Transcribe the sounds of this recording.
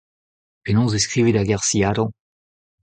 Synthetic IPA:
penɔ̃zeskʁivedaɡaʁsiaːɾɑ̃

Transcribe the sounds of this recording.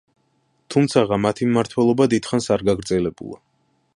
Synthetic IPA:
t̪ʰumt̪sʰaʁamat̪ʰimmaɾt̪ʰwɛlˠɔbad̪id̪χansaɾɡaɡɾd̪zɛlɛbṵlˠa̰

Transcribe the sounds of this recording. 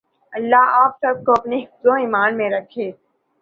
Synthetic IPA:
ɐlːaɦaːpsɐb̚koɐpneɦɪfzõiːmaːnmẽɾɐkʰːeː

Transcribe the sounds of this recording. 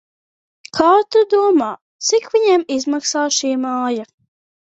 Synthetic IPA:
kʰaːt̪ud̪uɔmaː | t̪sikviɲɛmizmaksaːʃiːmaːja

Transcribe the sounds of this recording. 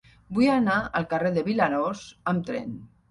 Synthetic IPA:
bujanaə̰lˠkareðəβilanosəmt̪ɾḛn

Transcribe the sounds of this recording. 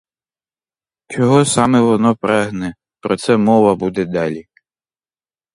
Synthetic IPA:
t͡ʃɔɦɔsɑmɛʋɔnɔpɾʔɛɦnɛ | pɾɔt̪sɛmɔʋɐbud̪ɛd̪ɑlʲi

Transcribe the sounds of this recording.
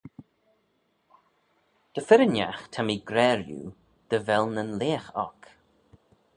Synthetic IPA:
d̪̥əfɪɾənja̰xt̪ʰamiɡɾɛːɾjṵ | d̪̥əvɛlnənleːxɔ̰k

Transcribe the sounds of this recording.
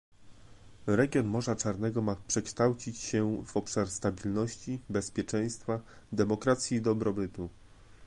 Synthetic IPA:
ɾɛɡʲjɔnmɔʐat͡ʂaɾnɛɡɔmapʂɛkʂt̪awt͡ɕit͡ɕɕɛvɔpʂaɾst̪abʲilnɔɕt͡ɕibɛspʲjɛt͡ʂɛj̃st̪fa | d̪ɛmɔkɾat̪sʲjid̪ɔbɾɔbɘt̪u

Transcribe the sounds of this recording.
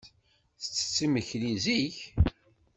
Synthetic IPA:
θə̥t͡sːə̥t͡sːiməçliziç

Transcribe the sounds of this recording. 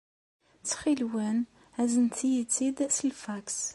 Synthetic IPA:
t͡sːχilwæn | æzənt̪ijit͡sːid̪səlfæks

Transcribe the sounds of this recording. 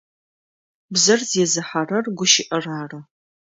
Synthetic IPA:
bzɐrzjɛzɨħarɐrɡʷʊʃɪʔɐraːrɐ

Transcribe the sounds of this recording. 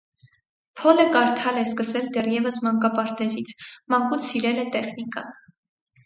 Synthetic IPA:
pʰɔləkɑɾt̪ʰɑlɛskəsɛld̪ɛrjɛvəsmɑŋkɑpɑɾt̪ɛzit͡sʰmɑŋkut͡sʰsiɾɛlɛt̪ɛχnikɑ̰

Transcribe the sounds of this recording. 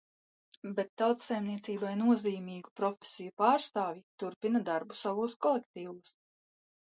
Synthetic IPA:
bet̪ːawt̪sajmniɛt̪siːbajnuɔziːmiːɡupɾɔfʲe̥sʲijupaːɾst̪aːvʲit̪uɾpinad̪aɾbusavuɔskɔlˠek̚t̪iːvuːs

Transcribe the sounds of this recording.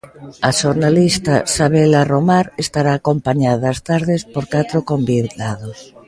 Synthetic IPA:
aʃoɾnalist̪asaβ̞elaromaɾest̪aɾaːkompaɲaðast̪aɾðespoɾkat̪ɾokombiðlaðos

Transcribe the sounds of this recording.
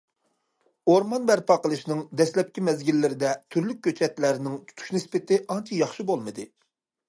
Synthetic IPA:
oɾmɑnbæɾpɑqəlˠɨʃnɨŋd̪ɛslɛp̚kʲimɛzɡʲilːɪɾɪd̪ɛt̪ʰyɾlyk̚ʲːøt͡ʃʰɛt̪læɾnɪŋt̪ʰu̥t̪ʰu̥ʃnɨspɪt̪ɪʔɑnt͡ʃʰijɑχʃibolˠmɨd̪ɨ

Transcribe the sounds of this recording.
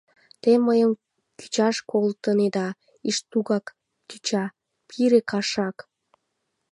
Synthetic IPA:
t̪eməjəm | ky̥t͡ɕɑʃkolt̪əned̪ɑ | iʃt̪uɣɑk | t̪yt͡ɕɑ | pʰiɾekɑʃɑk

